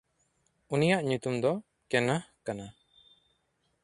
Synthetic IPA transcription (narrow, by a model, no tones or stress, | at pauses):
unijaʔɲut̪umd̪ɔ | kɛnahkana